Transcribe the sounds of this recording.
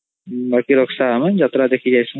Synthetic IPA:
bɐɾkiɾɔksaɦamand͡ʒat̪ɾad̪ekʰid͡ʒajsu

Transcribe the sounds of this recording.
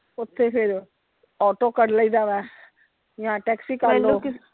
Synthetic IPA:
ʊt̪ʰːepʰɪɾ | ɔːʈokəɽləid̪aːʋɛ̃ː | jãːʈɛːksiːkaɾlːoo

